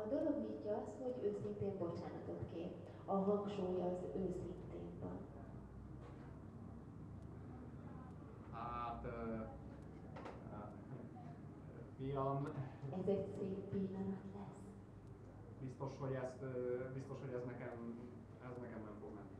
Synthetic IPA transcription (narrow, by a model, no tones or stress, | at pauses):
ɒd̪o̞lo̞ɡnitjɒɒsho̞ɟøːsint̪eːmbo̞t͡ʃaːnɒt̪o̞t̪keː | ɒɦɒŋkʃoːjɒzøːsint̪eːmbɒ̰n | hat̪ | fiɒnɛzɛɟseːpːilːɒnɒt̪lɛs | bist̪o̞ʃho̞ɟɛst̪øbist̪o̞ʃho̞ɟɛznɛkɛm | ɛznɛkɛmːɛmfoɡmɛnːi